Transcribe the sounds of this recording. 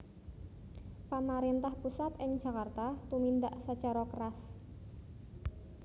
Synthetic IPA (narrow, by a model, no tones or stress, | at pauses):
pamaɾent̪ahpusat̪ɪŋ̥d͡ʒ̥a̤kart̪at̪umind̪aʔsət͡ʃaɾakəras